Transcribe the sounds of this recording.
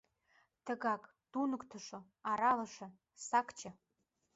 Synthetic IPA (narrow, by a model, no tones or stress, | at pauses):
tʰɐɡakʼ | dunɨkʷʼtʰɨʂo | aɾalaʂɐ | sakʰʼt͡ʃʰa